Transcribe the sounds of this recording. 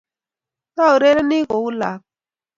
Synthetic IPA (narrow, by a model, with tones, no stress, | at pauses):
ta˦u˨ɾe˦ɾe˦ni˦ko˨u˦la̰˨k̚